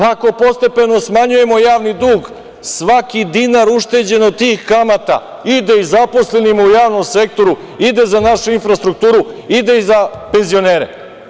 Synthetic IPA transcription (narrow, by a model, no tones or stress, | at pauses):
pako̞po̞st̪e̞pe̞no̞smaɲuje̞mojaːʋnid̪uːɡ | sʋakid̪inaɾuʃt̪e̞d͡ʑe̞not̪iːxkamat̪a̰ | id̪eizapo̞sle̞nimujaːʋno̞msek̚t̪o̞ɾu | id̪e̞zanaʃuinfɾast̪ɾuk̚t̪uːɾuid̪eizape̞nzio̞neːɾḛ